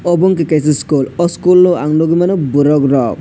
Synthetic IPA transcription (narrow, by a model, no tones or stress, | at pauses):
ɔbɔŋkikas̬iskulɔskulːɔaŋnɔɡimanɔbuɾɔkɾɔk̚